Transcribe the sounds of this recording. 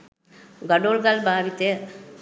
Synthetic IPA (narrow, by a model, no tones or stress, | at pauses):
ɡɐɖoːlɡalbʱaːʋit̪e